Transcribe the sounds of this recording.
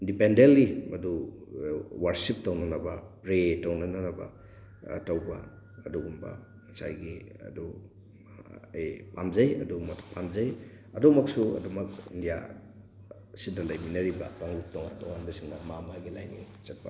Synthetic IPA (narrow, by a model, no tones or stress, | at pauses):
indipendentːimɐdu | waɾsip̚tɐwnɐnɐbɐɾetɐwnɐnɐnɐbɐ̰ | tɐwbɐ̰ | ɐduɡumbɐ̰ | ŋɐsa̰jɡiɐ̰du | ɐjpamzɐjɐ̰dumɐtpamzɐj | ɐdumɐksuɐ̰dumɐkḭndija̰ | sidɐlɐjminɐɾibɐ̰taŋlup̚towa̰to̰wanbɐsiŋdɐmamaɡila̰jnḭ | t͡ʃɐt̚pɐ